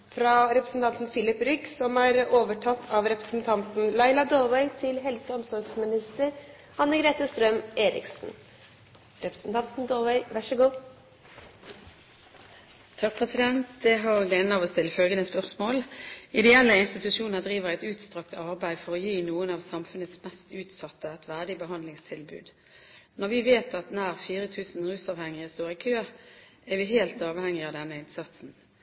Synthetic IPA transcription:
fɾɑɾɛpɾəsn̩t̪ɑnt̪n̩fɪlɪpɾʏɡsɔmæːɾoːʋəʈʰɑt̪ʰːɑʋɾɛpɾə̥sn̩t̪ʰɑnt̪n̩lɑɪlɑd̪oːʋæɪt̪ʰɪlɦɛlsəɔmsɔɾɡsmɪnɪst̪əɾ | ɑnːəɡɾeːt̪əst̪ɾœmeːɾɪ̰ksn̩ | ɾɛpɾə̥sn̩t̪ʰɑnt̪n̩d̪oːʋæɪʋæʂəɡuː | t̪ʰɑk̚pʰʁɛsɪd̪ɛnt̪d̪ɛɦɑʁlɛnːɑʋɔst̪ɪlːəfœlɡənəspœʁsmoːlɪd̪ɛɛlːəɪnst̪ɪt̪ʉʂuːnəʁd̪ʁiːʋəʁæɪt̪ʉːt̪st̪ʁɑkt̪əɑʁbæɪdfɔʁɔjiːnuːənɑːʋsɑmfʉnət̪smɛst̪ʉːt̪sɑt̪ːəɛt̪ʋæːʁd̪ɪbəɦɑnd̪lɪŋst̪ʰɪlbʉ̰ːd̪ | nɔʁʋɪʋeːt̪ɑt̪næːʁfiːʁət̪ʰʉːsn̩ʁʉːsɑːʋhɛŋːɪɪst̪oːʁɪkʰøːɛʁʋɪɦeːlt̪ɑːʋhɛŋːɪɑːʋd̪ɛnːəɪnsɑt̪sn̩

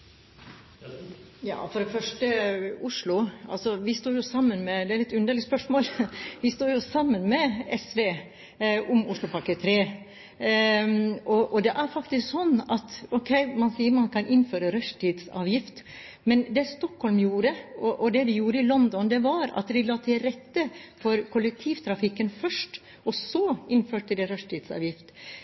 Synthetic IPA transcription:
jɑ̰ːfɔɾɛfœʂʈəʊʂlʊɑ̰lsɔʋɪst̪uːɾjʊsɑmːənmɛd̪ɛæɾɛt̪ʉnd̪əlɪspœʂmoːlʋɪst̪uːɾjʊsɑmːənmɛɛsʋeː | ʔʊmʊʂɭʊpʰɑkət̪ʰɾeː | ɔʔɔd̪ɛʔæɾfɑkt̪ɪsksɔnːɑt̪ɔkʰɛɪmɑnsiːəmɑnkʰɑnʔɪnføːɾəɾœʂʈʰiːd̪sɑ̰ːʋjɪft̪ | mɛnd̪ɛst̪ɔkhɔlmjuːɾəɔʔɔd̪ɛd̪ɛjuːɾəɪlɔnd̪ɔnd̪ɛʋɑɾɑ̰t̪ʋɪlɑːt̪ʰɪlɾɛt̪ːəfɔɾkʰʊlːɛk̚t̪ʰiːʋt̪ʰɾɑfɪkːənfœʂʈ | ʔɔsɔɪnføːʈəd̪ɛɾœʂʈ̪iːd̪sɑ̰ːʋjɪft̪

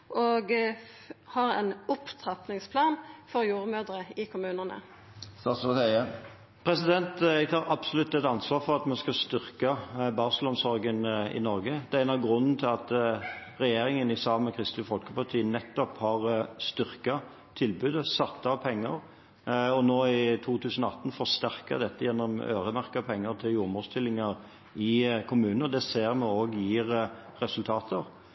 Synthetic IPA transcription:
ʔoːɡ | hɑɾɛ̰nʊpt̪ʰʁɑp̪nɪŋspʰlɑːnfɔɾjuːʁmøːd̪ʁəɪkʰʊmʉːnənə̰ | st̪ɑsɔsɛɛ | pʰɾɛsɪd̪ɛnt̪ɛɡ̚t̪ʰɑːɾɑbsɔlʉt̪ːɛt̪ɑnsʋɑːɾfɔʁɑt̪mɛnskɑst̪ʏʁkɑbɑɾsəlɔnsɔɾɡənɪ̰nɔɾɡəd̪̥ɛænɑɡɾʉnːn̩t̪ʰɪlɑt̪ɾɛjeːɾɪŋənɪsɑːmɛkʰɾɪst̪lɪfɔlkəpɑʁt̪ʰiːənɛt̪ːɔphɑʁst̪ʏʁkɑ | t̪ʰɪlbʉːd̪əsɑt̪ːɑpʰɛŋːəɾ | ɔnoːɪt̪ʰuːt̪ʰʉːsən̩ɔɑt̪ːn̩fɔɾst̪æʁkɑ̰d̪ɛt̪ːəjɛnːɔmø̰ːɾəmæʁkəpʰɛŋːəɾt̪ʰɪljuːmɔst̪ʰɪlːɪŋəɾ | ɪkʰʊmʉːnəɔd̪ɛseːɾmɛoːɡjiːʁ | ɾɛsʉlt̪ʰɑːt̪ʰəɾ

